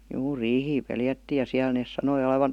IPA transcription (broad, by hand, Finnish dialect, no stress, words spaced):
juː riːhiː peljætːiːj jɑ siæl neˑs sɑnoi oleʋɑn̞